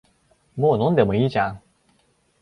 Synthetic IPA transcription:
monɔnd̪əməit͡ɕaŋ

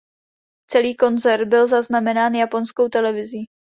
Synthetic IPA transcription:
t͡sɛliːko̞nzɛɾt̪̚bɪlzaznamɛnaːnjapo̞nsko̞wt̪ɛlɛvɪzi

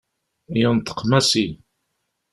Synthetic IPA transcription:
jənt̪ːə̥qːmæsi

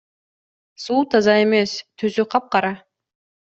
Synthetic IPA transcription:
suːt̪ʰɑzɑe̞me̞st̪ʰysyqʰɑp̚qɑɾɑ

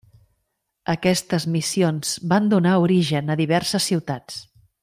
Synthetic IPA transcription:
əkɛst̪əzmisionz̥band̪unauɾiʒənəðiβ̞ɛɾsəsːiwt̪at͡s

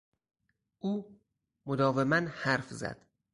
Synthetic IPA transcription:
ʔuː | mod̪ɒːvemænhæɾfzæ̰d̪̥

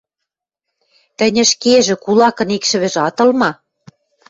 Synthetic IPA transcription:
t̪ɘ̆nʲɘ̆ʃkeʒĕkulɑkɤ̆nikʃɘ̆βɘ̆ʒɑt̪ɤ̆lmɑ

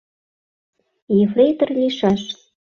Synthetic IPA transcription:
jeflet̪ərliʃɑʃ

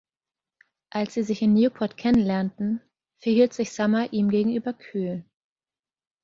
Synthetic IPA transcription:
ʔalsz̥iːzɪçɪnnjuːpʰɔɐtkʰɛnənlɛɐntn̩ | fɛɐhiːltz̥ɪçz̥amaʔiːmɡeːɡŋ̩ʔyːbɐkʰyːl

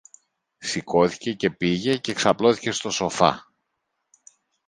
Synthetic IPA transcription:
siko̞θi̥ce̞ce̞piʝe̞ceːksɐplo̞θi̥ce̞st̪o̞so̞fɐ̰

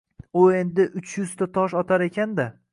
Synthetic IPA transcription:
ʊe̞nd̪ɪʔʊt͡ʃʰjʏz̥t̪ʰat̪ʰɒʃɒt̪ʰaɾe̞kʲʰand̪a

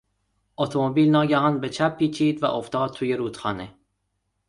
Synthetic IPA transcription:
ʔot̪ʰomobiːlnɒːɟæhɒnbet͡ʃʰæpʰːiːt͡ʃʰiːd̪væ̰ʔoft̪ʰɒːd̪̚t̪ʰuːjeɾuːt̪xɒ̰ːne

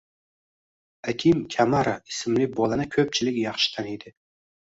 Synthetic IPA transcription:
akʲʰɪmkʲʰamaɾaɪsɪmlɪbɒlˠanɪkʲʰɵp̚t͡ʃʰɪlɪkʲjɑχʃɪ̥t̪ʰanid̪ɪ

